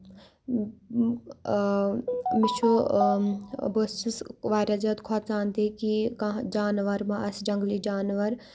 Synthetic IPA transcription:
mit͡ʃʰo | bost͡ʃisʋaːɾʲad͡ʒɐt̪kʰat̪t͡saːnt̪ekikãd͡ʒaːnʋɐɾmãʔɐsd͡ʒɐŋɡlid͡ʒaːnʋɐɾ

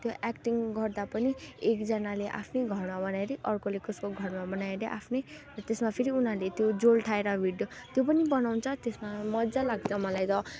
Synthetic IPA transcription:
t̪joʔɛkʈiŋɡʌrd̪apʌniekd͡zʌnaleʔa̰pʰneɡʱʌrmabʌnaeɾiʔʌrkolekoskoɡʱʌrmabʌnaeɾeʔa̰pʰnerʌt̪esmapʰeɾiunɦalet̪jod͡zolʈʰaeɾʌbʱiɽjot̪jopʌnibʌnaw̃nt͡sʰʌt̪esmamʌd̪d͡zalaɡ̚t͡sʰʌmʌlajt̪ʌ

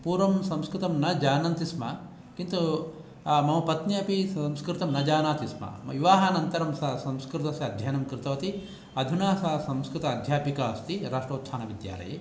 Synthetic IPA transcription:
puːɾʋɐmsɐmskɾɨt̪ɐmnɐd͡ʒaːnɐnt̪ismɐ | kint̪u | mɐmɐpɐt̪njɐɐpisɐmskɾɪt̪ɐmnɐd͡ʒaːnaːt̪ismɐ̰miʋaːɦɐnɐnt̪ɐɾɐmsɐsɐmskɾɪt̪ɐsjɐɐd̪ʱjɐjɐnɐmkɾɪt̪ɐʋɐt̪i | ɐd̪ʱunaːsɐsɐmskɾɪt̪ɐːd̪ʱjaːpikaːst̪iɾaːʂʈɐːt̪sʰaːnɐʋid̪ja̰ːlɐ̰jḛ

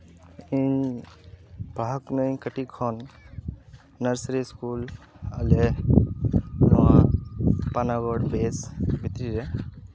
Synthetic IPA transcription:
iɲ | b̥ʱaknəj̃kəʈikʰɔn | əɾsɾiskul | əle | hɐwã | panaɡɔɽpeːsbʱit̪ɾiɾe

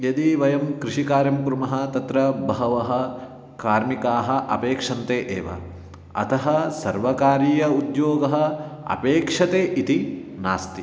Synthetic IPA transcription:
jɐd̪iʋɐjɐmkɾɪʃikaːɾjɐmkɾumɐɦɐ̆t̪ɐt̪ɾɐbɐɦɐʋɐɦɐ̆ | kaːɾmikaːɦɐʔɐ̰peːkʂɐnt̪eːʔeːʋɐ̰ | ɐ̰t̪ʰɐɦɐsɐɾʋɐkaːɾiːjɐud̪joːɡɐɦɐ̆ɐ̰peːkʂɐt̪eːʔit̪ina̰ːst̪i

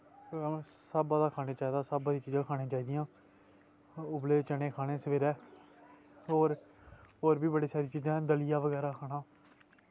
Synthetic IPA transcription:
səbad̪aːkʰaːneːt͡ʃaːiːd̪aːsəbbaːd̪iːt͡ʃiːd͡ʒãːkʰaːnẽːt͡ʃaːiːd̪ɪjãː | ʊbleːt͡ʃəneːkʰaːɽeːsəʋeːɾɛː | ɦoːɾoːɾbiːbəɽiːsaːɾiːt͡ʃiːd͡ʒãːd̪əlɪjaːʋəɡɛːɾaːkʰaːnaː

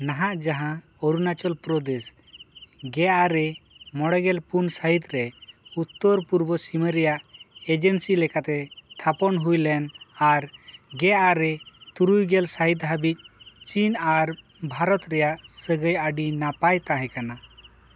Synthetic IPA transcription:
naɦaʔd͡ʒaɦãɔɾunat͡ʃɔlpɾɔd̪es | ɡɛʔaɾɛmɔɽɛɡɛlpunsaɦit̪ɾɛut̪ːɔɾpuɾbɔsiməɾɛjaʔed͡ʒənsilɛkat̪ɛt̪ʰapɔnɦujlɛnaɾɡɛʔaɾɛt̪uɾujɡɛlsaɦit̪ɦabic̚t͡ʃinaɾbʱaɾɔt̪ɾɛjaʔsəɡəjaɖinapajt̪aɦɛ̃kana

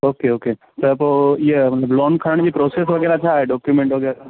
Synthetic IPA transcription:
oːkeoːke | t̪ɐpojemɐt̪ləblɔːnkʰɐɾəɽ̃d͡ʒipɾoːsesɦoɡɛːɾat͡ʃʰaɖɔːkjumẽɳʈʋoːɡɛɾ

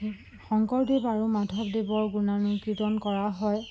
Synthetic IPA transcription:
xɔŋkɔɹdebaɹumadʱɔb̚debɔɹɡunanʊkitɔnkɔɹaɦɔj

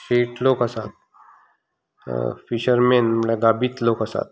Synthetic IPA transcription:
ɕeʈʰlokəsat̪̚ | fiɕəɾmenmlaɡabiːt̪lokəsa̰t̪̚

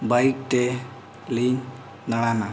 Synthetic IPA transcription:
bajk̚ʈe | lin | naɽ̃ana

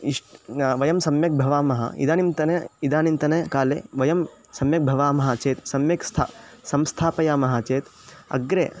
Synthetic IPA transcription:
iʂʈʋɐjɐmsɐmjɐk̚bʱɐʋaːmɐɦɐ̰ḭd̪aːnint̪ɐnɐid̪aːnint̪ɐnɐkaːlḛːʋɐjɐm | sɐmjɐk̚bʱɐʋaːmɐɦɐt͡ʃeːt̪sɐmjɐkst̪ʰa̰sɐmst̪ʰaːpɐjaːmɐɦɐt͡ʃeːt̪ | ɐ̰ɡɾeː

